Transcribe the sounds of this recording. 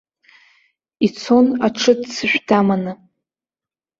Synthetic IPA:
it͡sʰo̞naʈ͡ʂʰɨdsɨʃʷᶣdamanɨ

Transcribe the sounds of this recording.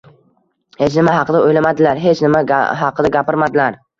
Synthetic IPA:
het͡ʃnɪmaɦɑqʰɨd̪aojlamad̪ɪlaɾɦet͡ʃnɪma̰ɦɑqʰɨd̪aɡʲapɪɾmad̪ɪlaɾ

